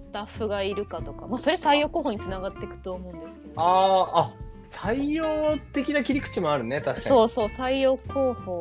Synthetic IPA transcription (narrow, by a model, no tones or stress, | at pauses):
sɨ̥t̪aɸːɯ̟ɡaiɾɯ̟kat̪o̞ka̰maso̞ɾe̞saijo̞ːkoːɦoːɲ̟it͡sɨnaɡat̪ːe̞kɯ̟̥t̪o̞ːmo̞ɯ̃nd̪e̞sɨ̥ked̪aa | saijoːt̪e̞kʲinakʲiɾʲikɯ̟̥t͡ɕimo̞aɾɯ̟ne̞t̪aɕi̥skao̞ːso̞ːsaijo̞ːko̞ːho̞ː